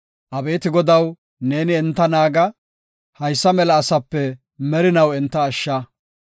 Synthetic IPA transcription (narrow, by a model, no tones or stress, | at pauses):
ʔɐbe̞ːt̪ɪɡɔd̪ɐw | ne̞ːnɪɛnt̪ːɐnaːɡɐ | hɐjsːɐmɛlɐːsɐpːɛ | mɛɾɪnɐwɛnt̪ːɐːʃːɐ